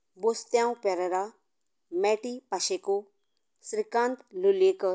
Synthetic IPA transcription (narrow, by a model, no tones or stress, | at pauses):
bost̪jãːũpeɾəɾa | mɛːʈipaʃeko | sɾikãːnt̪lulekə